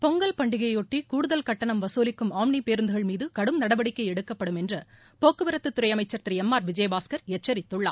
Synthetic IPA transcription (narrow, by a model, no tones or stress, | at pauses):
pɔŋɡɐlpɐɳɖɪɣɐjɔʈːikuːɽɯðɐlkɐʈːɐɳɐmʋɐsoːlɪkːɯmaːmɳipeːɾɯnd̪ɯɣɐɭmiːðɯkɐɽɯmnɐɽɐʋɐɽɪkːɐɪɛɽɯkːɐpːɐɽɯmɛndrɐ | poːkːɯʋɪɾɐt̪ːɯt̪ːʊɾɐjɐmɐɪt͡ʃːɐɾt̪ɾiɛmːaːɾʋɪd͡ʒɐjbaːskɐɾɛt͡ʃːɐɾɪt̪ːɯɭːa̰ː